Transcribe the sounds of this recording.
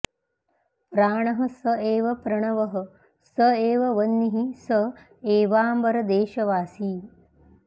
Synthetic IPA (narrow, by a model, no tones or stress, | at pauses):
pɾaːɳɐɦɐ̆sɐeːʋɐpɾɐɳɐʋɐɦɐ̆ | sɐeːʋɐʋɐnːiɦisɐ | eːʋaːmbɐɾɐd̪eːʃɐʋaːsiː